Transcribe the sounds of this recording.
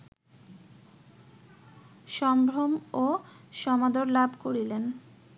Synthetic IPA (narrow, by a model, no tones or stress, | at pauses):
ʃɔmbɾomoʃɔmad̪oɾlabʱkoɾilen